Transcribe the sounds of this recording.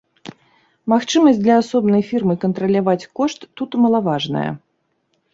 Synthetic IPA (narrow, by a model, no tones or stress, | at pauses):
maxt͡ʂɨmɐsʲd̪lʲɐasɔbnɐjfʲirmɨkɐnt̪ɾɐlʲavat͡sʲkɔʂt̪ːut̪mɐlˠavaʐnɐ̰jɐ̰